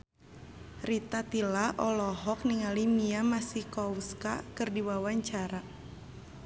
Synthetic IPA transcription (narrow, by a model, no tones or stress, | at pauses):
rit̪at̪ilaʔɔlɔɦɔk̚niŋalimiamasikɔwska̰kɨrdiwawaɲt͡ʃaɾa